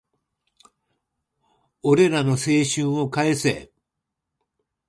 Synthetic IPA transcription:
o̞ɾe̞ɾano̞se̞ːɕɨ̃ɰ̃o̞kaese

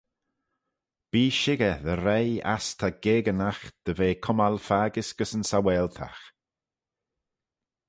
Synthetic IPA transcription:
b̥iːʃɪɡəðəɾɛja̰st̪ʰaɡeːɡənaxd̪̥əveːkʰʊmalfaːɡɪsɡ̥əsənsawɛːlt̪ʰa̰x

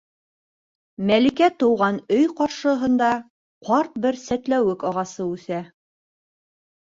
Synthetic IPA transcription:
mælikæt̪ŏwʁɑnɵjqɑɾʃɤ̆ɦɤ̆nd̪ɑ | qɑɾt̪̚bɘɾsæt̪læwɘkɑʁɑsɤʉθæ

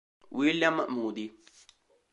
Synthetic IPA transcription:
wiljɐmːɐmuːd̪i

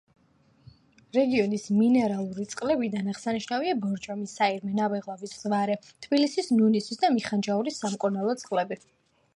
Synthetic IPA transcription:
ɾɛɡiɔnisminɛɾalˠuɾit̪sʼqʼlɛbid̪anaʁsaniʃnaviabɔɾd͡ʒɔmisaiɾmɛnabɛʁlˠɔviszvaɾɛt̪ʰbilisisnunisisd̪amiχand͡ʒauɾisːamkʼɔnalˠɔt̪sʼqʼlɛbi

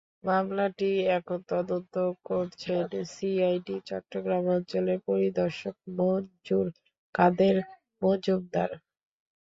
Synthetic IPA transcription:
mamlaʈiɛkʰot̪ɔd̪ont̪okoɾt͡ɕʰensiajɖit͡ɕɔ̰ʈːɾoɡɾamɔnt͡ɕoleɾpoɾid̪ɔɾʃok̚mod͡ʑuɾ | kad̪eɾ | mod͡ʑob̚d̪a̰ɾ

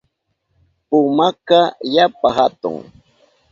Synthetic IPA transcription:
pʊmakajapaɦat̪ʊ̰ŋ

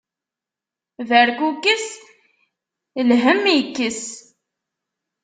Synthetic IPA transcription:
ðəɾkukːəs | lɦəmikːəs

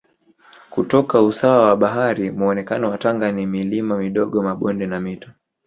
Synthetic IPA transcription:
kutɔkausawawaɓaɦaɾimuɔnɛkanɔwataŋɡanimilimamiɗɔɠɔmaɓɔndɛnamitɔ̥

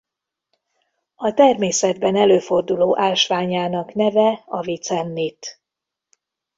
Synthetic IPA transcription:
ɒt̪ɛrmeːsɛd̪bɛnɛløːfo̞rd̪uloːʔaːlʃʋaːɲaːnɒknɛvɛɒvit̪sɛnːit̪

